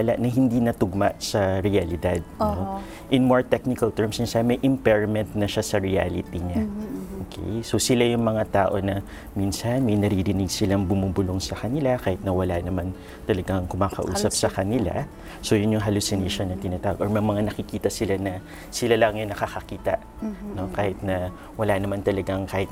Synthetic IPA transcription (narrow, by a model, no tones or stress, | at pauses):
ala̰ʔnɐɦɪnd̪inɐt̪ʊɡ̚maʔsɐɾɪɐlɪd̪ad̪̚no | ʔɪnmoɹt̪ɛk̚nɪkɐlt̪ɛɹmsɪnsamɐjʔɪmpɛɹɐmɛnt̪nɐʃasɐɹɪa̰lɪ̰t̪iɲaʔoːkʰḛjso̞sɪlajʊŋmɐŋat̪aːʔo̞nɐ | minsɐnmɐjnɐɾiɾɪnɪɡsɪlaŋbʊmuːbʊloŋsɐkɐnɪlakaːhɪt̪̚nɐwɐlanɐman | t̪ɐlɐɡaŋkʊmaːkɐ̰ʔṵːsɐp̚sɐkɐnɪla̰ | so̞jʊnjʊŋɦɐlusɪneʃonːɐt̪ɪnaːt̪aːwo̰ɡʔoɹmɐjmɐŋanɐkɪkiːt̪ɐsɪlanɐ | sɪlalɐŋjʊŋnɐkakɐkiːt̪ɐ̰ʔ | no̞kaːhɪt̪̚nɐ | wɐlanɐmant̪ɐlɐɡaŋkaːhɪt̪